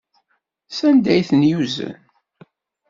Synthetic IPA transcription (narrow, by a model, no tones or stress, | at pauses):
sænd̪æjθənjuzə̰n